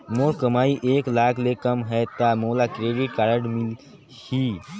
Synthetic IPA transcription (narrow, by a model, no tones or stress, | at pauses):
moːkəmaːiʔeːklaːkʰlekəmɦɛt̪amoːlakɾeːɖiʈkaːɾəɽmil | hi